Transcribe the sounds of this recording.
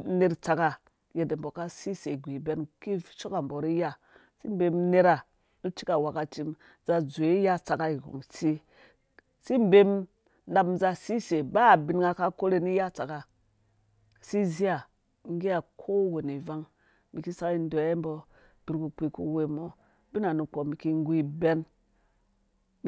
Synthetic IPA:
ne˨ɾt͡sa˨ka˨ | je˨de˨m˨bo˨ka˦si˦se˨ɡʷi˨be˦nki˦ʃo˦ka˨mbo˨ɾi˦ja˦ | si˦m˦be˦mne˦ɾa˨ | nu˦t͡ʃi˦ka˨wa˨ka˨t͡ʃi˦m | za˨zo˨i˦ja˦t͡sa˨ka˦i˨ɡo̰˨ŋsi˦ | si˦m˦be˦m | nda˧mza˧si˦se˨ba˦˨bi˨˦nɡa˧ka˦ko˦ɾe˧ni˦ja˦t͡sa˨ka˨ | si˦zi˦a˨ | ŋ˦ɡi˦a˨kʰo˦we˨ni˨va˦ŋ | mi˨ki˦sa˦ki˦n˦do˨˦e˦m˦bo˧ | b̥i˨ɾku˧k͡pʷi˧kṵ˦we˧mo˨ | bi˦na˨nu˨k͡po˨mi˨ki˦ŋ˦ɡu˦i˦be˦n

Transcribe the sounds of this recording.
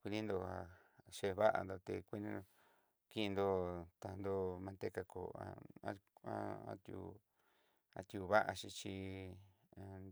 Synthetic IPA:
kʷi˧nĩ˦nd̪o˧a˨ | ʃe˧βa˦ʔa̰˧nd̪o˧t̪e˧kʷi˦nĩ˦no˧ | ki˦i˧nd̪o˧t̪a˧nd̪o˧mã˧t̪e˦ka˧ko̰˨a̰˧a̰˧˦a̰˦a̰˦t̪jṵ˧ | a̰˧t̪ju˧βa˦ʔa˧ʃi˧t͡ʃi˧

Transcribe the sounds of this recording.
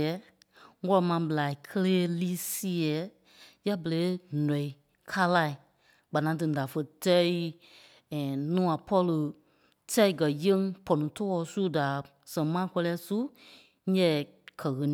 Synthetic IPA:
ɛ˨˦ | ŋɔ˦lɔ˧mã˧˦bə˨la˨i˨kʰə˦leː˦li˦si˦ɛ˨˦ | ja˦bə˨leː˨˦nɔ̃˨i˨ | kʰa˦la˧˨i˨ | ɡ͡ba˨nã˨˦t̬ɨ̃˧˨da˨fə˧tɛ˦i˦˨ | nũː˦ã˨pʰɔ˦lɨ˧ | tʰɛ˦i˨ɡɜ˨je˦ŋ˦pɔ˨nũ˨tɔ˦ɔ˧˨su˦da˨ | sɛ̃˨ŋmãː˦kʷɔ˧lɛː˧˦su˦ | ɛ̃˦˨ | kʰɜ˨ɣə˨˧ñ˨

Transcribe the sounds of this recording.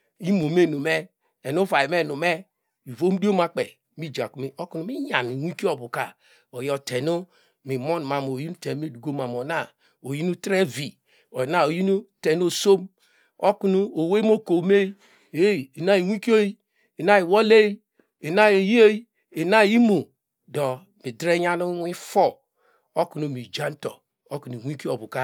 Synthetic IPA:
i˦mo˨me˦˨nu˨me˦ | e˨nu˦va˨i˨me˦˨nu˨me˦ | i˨vo˦m˦do˦ma˦k͡pḛ˨ | mi˦d͡ʒa̰˨ku˨me˦o˦ku˦nu˦mi˦ja˨ni˨wi˦ki˦o˦˨bu˨ka˨ | o˨jɔ˦˨tʰe˨nu˦ | mi˨mo˦n˨ma˨m˨o˨ji˦nu˦te˨˦me˦˨du˨ɡo˦ma˨m˨o˨na˦˨ | o˨ji˦nu˦tɾe˦vi˨ | o˨na˦˨o˨ji˦nu˦te˨n˦o˨so˦m | o˦ku˦nu˦o˨we˦m˦o˦ko˨me˦i˦ | e˦˨na˦i˨wi˦ki˦o˦i˦ | e˨na˦i˨wo˦le˦i˦ | e˨na˦e˨ji˦o˦i˦ | e˨na˦˨˦i˦mu˨ | do˨ | mi˨dɾe˦a˦nu˦wi˦fo˦ | o˦ku˨no˨mi˨d͡ʒa˦n˦to˨ | o˦ku˨n˨i˨wʷi˦ki˦o˨bu˨ka˦

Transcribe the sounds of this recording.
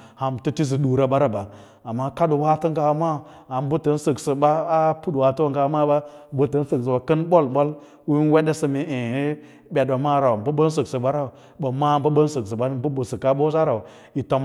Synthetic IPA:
ha˨mtu˦ti˦s̬i˨ɗu˨ɾa˨ba˦ɾa˨ba˨ | a˨mːa˦ka˦ɗu˨wa˦tə˦ŋɡa˨˦ma˦˨ | a˨m˦bu˦tə˦n˦sə˨ksə˨ba˦a˦pu˦dwa˨tu˦a˦ŋɡa˨˦ma˦ba˦bu˨tə˨˦n˦sɨ˨ks̬ə˨ba˨kə˦nbo˦lɓo˦l | u˦n˦we˦de˦sə˨mi˨e˨i˦ | bʲe˨do˨ma˦ɾa˨wm˨bə˦bə˦n˦s̬ə˨ksə˨ɓa˦ɾa˦u˨ | bə˨ma˦mbə˦bə˦n˦sə˨ks̬ə˨ba˦m˦bə˦bə˨sə˨ka˦bo˦za˦ɾa˨ | i˨to˦m

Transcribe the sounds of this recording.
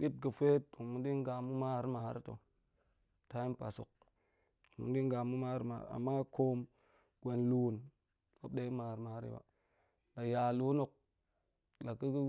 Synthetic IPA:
bi˦t̚ɡə˨fe˦t̚ːu˨ŋ˨mu˦di˦ŋ˦ɡa˨mu˦ma˦˨ɾma˨ha˦ɾi˦to̰˨ | ta˦i˦pa̰˨so̰˨k̚ | mṵ˨˦di˦ŋ˦ɡa˨mu˦ma˦ɾma̰˨ɾa̰˨mːa˦ko˦m | ɡe˨nlu˨˦˨n | wa˦b̚ɗe˦i˦ma˨ɾma˨a˦ɾḭ˦wa̰˨ | la˨ja˨lu˦no˨k̚ | la˨ki˦ɡi˦

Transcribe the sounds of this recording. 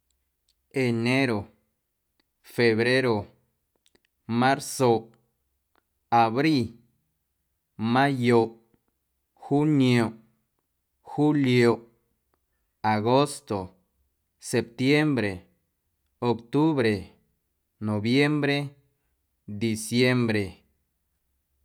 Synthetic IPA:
e˨ne˦ɾo˨ | fe˨βɾe˦ɾo˨ | mã˦ɾso˨ | a˨βɾi˦ | mã˦jo˨ | xu˦njo˨ʔ | xu˦ljo˨ | a˨ɡo˦st̪o˨ | se˨p̚t̪je˦mbɾe˨ | o˨kt̪u˦βɾe˨ | no˨bje˦mbɾe˦ | d̪i˨sje˦mbɾe˨

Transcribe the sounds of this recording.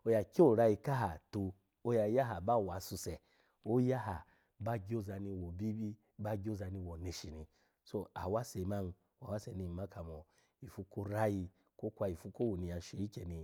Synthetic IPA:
o˧˦ja˧kʲo˦˨ɾa˧i˧ka˦ɦa˨tu˧ | o˧ja˧ja˦ɦa˨ba˦˨wa˨su˧sɛ˨ | o˦ja˦ɦa˨ | ba˦ɡʲo˦za˧ni˧wo˨bi˦bi˦ | ba˦ɡʲi˦o˦za˧ni˧wo˨ne˧ʃi˨ni˧ | so˧a̰˨wa˦sɛ˨˧ma˦n˧ | wa˨wa˦sɛ˨ni˧˨ma˦ka˨mɔ˨ | i˨fu˧ko˦ɾa˦ji˧ | ko˦kʷa˧i˨fu˧˦ko˦wo˨ni˧a˨˧ʃe˨˦i˦kʲe˨ni˧

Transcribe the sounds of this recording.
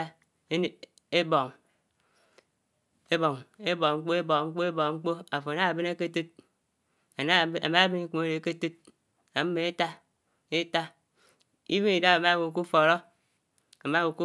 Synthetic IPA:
a˦ | e˦bo˨ŋ | e˦bo˨ŋe˦bo˨ŋ͡m̩˦k͡po˦e˦bo˨˦ŋ͡m̩˦k͡po˦e˦bo˨ŋ͡m̩˦k͡po˦a˨fo˨na˦a˨bi˦ne˦ke˦tu˦t̚ | a˨na˦˨˦a̰˨ma˦a˦bi˦ni˦ke˦ɾe˨ke˦tu˦t̚ | a˨m̩˦me˨e˦ta˦ | e˦ta˦ | i˦we˦i˨da˦a˨ma˦wo˨ku˦fo˨ɾo˦ | a˨ma˦wo˨ku˦

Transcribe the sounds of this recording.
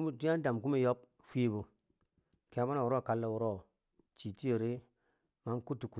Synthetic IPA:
tu˦a˦n˦da˨mku˦mi˦jo˦p̚ | fi˦bu˨ | ke˨a˨ba˦na˨u˨ɾo˦˨ka˦lːa˨wu˨˦ɾo˦˨ | t͡ʃi˨ti˦e˨ɾi˦ | ma˨˦mku˦tːi˨ku˨

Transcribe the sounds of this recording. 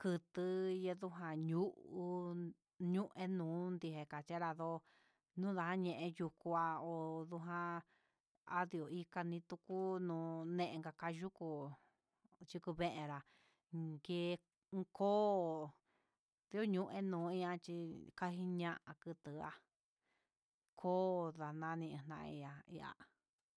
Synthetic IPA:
kɨ˧t̪ɨ˧je˧ðu˦ɦã˧ɲu˦ʔu˧ | ɲũ˦ʔẽ˦nũː˨˦nd̪i˧ɦe˨ka˨t͡ʃa˦ɾa˧ðo˧ | nũː˦ða˧ɦã˦ɲẽ˧ʔẽ˧ju˧ku˧a˧o˨ðu˧ɦã˧ | a̰˦ði˧o˨i˧ka˧nĩ˧t̪u˧ku˦nũː˧˦nẽ˦ʔẽ˧ŋɡa˧ka˧ʒu˦ku˧ | t͡ʃi˧ku˧βẽ˦ʔẽ˧ɾa˨ | ɡeː˧˦˧ | kʰoː˦˨ | ði˧˦o˦ɲũ˧ʔḛ̃˦nũː˨˦˧i˦ã˧t͡ʃi˧ka˦ɦi˦ɲã˦ʔa˨kɨ˧t̪ɨ˨a̰˧ | kʰoː˦˧ða˨nã˧˦˧nĩ˧n̥ã˧ʔḭ˧a˧ḭ˧a̰˧

